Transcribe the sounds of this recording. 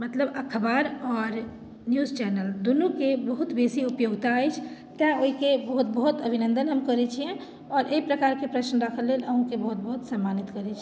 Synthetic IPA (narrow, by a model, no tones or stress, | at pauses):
mət̪ləbəkʰəbaɾɔːɾ | njuzt͡ʃɛnəld̪unukebəɦut̪besiupjoɡt̪aːjt͡ʃʰ | t̪aoɦikebəɦut̪̚bəɦut̪əbʱinə̃nd̪ənɦəmkəɾɛt͡ʃʰiɛ̃ | ɔːɾeipɾəkaɾkepɾəsnəɾakʰəlːeləɦũkebəɦut̪̚bəɦut̪səmːanit̪kəɾɛt͡ʃʰ